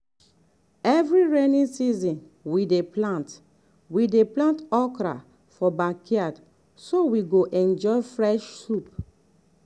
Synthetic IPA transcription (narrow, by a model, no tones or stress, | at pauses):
ɛvɹiɹenĩnsizĩn | wideplãnt | wideplãntɔkɾa̰ | fɔbakiad | sowiɡoʔɛ̃nd͡ʒɔɪfɹɛʃsup